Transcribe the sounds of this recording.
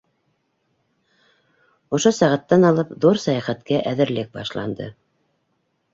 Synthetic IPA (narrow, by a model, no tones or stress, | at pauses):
ŏʃosæʁæt̪ːænɑlˠɤpðuɾsæjɑχæt̪kæʔæðɘ̆ɾlɘk̚bɑʃlˠɑ̰nd̪ɤ̰